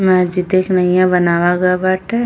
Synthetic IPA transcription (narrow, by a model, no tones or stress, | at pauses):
mɛ̃d͡ʒɪd̪eknɐĩjãbənaːʋaɡabaʈɛ